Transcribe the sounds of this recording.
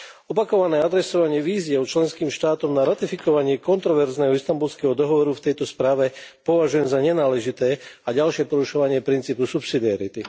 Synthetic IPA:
ɔpakɔʋanɛːad̪ɾɛsɔʋaɲɪɛʋiːzɪɛɔt͡ʃlɛnskiːmʃt̪aːt̪ɔmnaɾat̪ifikɔʋaɲɪɛkɔnt̪ɾɔʋɛɾznɛɦɔist̪ambulskɛɦɔd̪ɔɦɔʋɔɾuft̪ɛjt̪ɔspɾaːʋɛpɔʋaʒujɛmzaɲɛnaːlɛʒit̪ɛːaɟalʃɪɛpɔɾuʃɔʋaɲɪɛpɾint͡siːpusupsid̪iaɾit̪i

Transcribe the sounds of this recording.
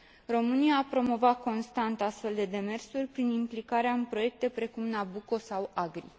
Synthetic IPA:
ro̞mɨnijaːpɾo̞mo̞vat̪̚ko̞nst̪ant̪ast̪fe̞ld̪e̞d̪e̞me̞rsurʲpɾinimplikaɾeaɨnpɾo̞je̞k̚t̪e̞pɾe̞kumnabuko̞sawaɡɾḭ

